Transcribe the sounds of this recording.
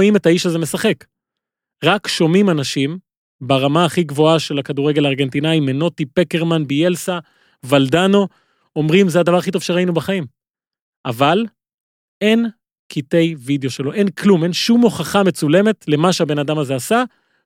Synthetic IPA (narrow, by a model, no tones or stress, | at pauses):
ime̞taiʃazemesaχe̞k | ʁakʃo̞mimanaʃim | baʁamaːχiɡvo̞aʃe̞lakaduʁeɡelaːʁɡe̞nt̪inaimeno̞tipeke̞ʁmanbielsa | vald̪ano̞ | omʁimzeadavaʁaχito̞v̥ʃeʁainubaχaim | ʔaval | e̞n | kʰite̞jvid̪jo̞ʃe̞lo̞ʔe̞nkʰlume̞nʃumːo̞χaχame̞t͡sule̞me̞tle̞maʃeabe̞nad̪amaze̞asa